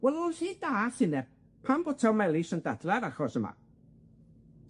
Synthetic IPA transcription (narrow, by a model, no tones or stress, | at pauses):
wɛlˠʊnhiːd̥aːθɪnɛ | pʰambɔtʰawmɛlˠɪsəndadlɛɾaxɔsəma̰